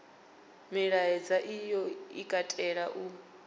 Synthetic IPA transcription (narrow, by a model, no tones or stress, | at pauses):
miɺaɛd͡zaʔijɔikʼatʼɛɺaʔu